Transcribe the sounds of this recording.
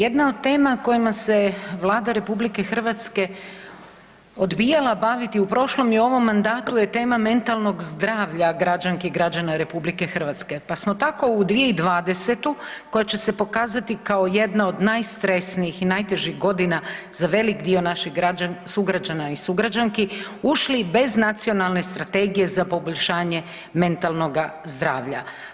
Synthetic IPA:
je̞d̪naod̪t̪e̞ːmako̞jimase̞ʋlˠaːd̪aɾe̞publike̞xər̩ʋat̪ske̞ | od̪bijalˠabaʋit̪iupɾo̞ʃlˠo̞mjeo̞ʋo̞mːand̪aːt̪ujet̪e̞ːmame̞nt̪alˠno̞ɡzd̪ɾaːʋʎaɡɾad͡ʒaŋkeiɡɾad͡ʒanaɾe̞publike̞xr̩ʋat̪ske̞pasmo̞t̪ako̞ud̪ʋijeid̪ʋaːd̪e̞se̞t̪uko̞jat͡ɕe̞se̞po̞kaːzat̪ikaoje̞d̪nao̞d̪najst̪ɾe̞sniixinajt̪e̞ʒiɣɡo̞d̪ina | zaʋe̞likd̪io̞naʃiɡaasuɡɾad͡ʒanaisuɡɾad͡ʒaŋki | uʃlibe̞znat̪sio̞nalˠne̞st̪ɾat̪e̞ɡije̞zapo̞bo̞ʎʲʃaːɲe | me̞nt̪alno̞ɡazd̪ɾaːʋʎa̰

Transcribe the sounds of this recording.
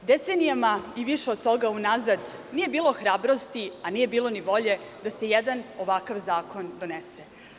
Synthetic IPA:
d̪e̞t̪senijamaiʋiʃeod̪̚t̪o̞ɡaunazad̪nije̞biːlˠo̞xɾaːbɾo̞st̪ianije̞biːlˠo̞niʋo̞ʎe̞d̪ase̞jed̪ano̞ʋakaʋzaːko̞nd̪o̞nese

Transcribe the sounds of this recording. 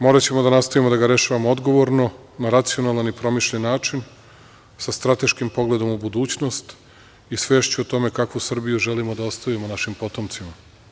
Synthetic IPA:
mo̞ːɾat͡ɕe̞mod̪anast̪oʋimo̞d̪aɡaɾe̞ʃaʋamood̪ɡo̞ʋoɾno̞ | naɾat̪sio̞nalanipɾo̞miʃʎenːaːt͡ʃin | sast̪ɾat̪e̞ʃkimpo̞ɡle̞d̪o̞mubud̪uːt͡ɕno̞st̪ | isʋeːʃt͡ɕuot̪o̞me̞kakʋusr̩bijuʒe̞limod̪ao̞st̪aʋimonaʃimpo̞t̪o̞mt̪sima

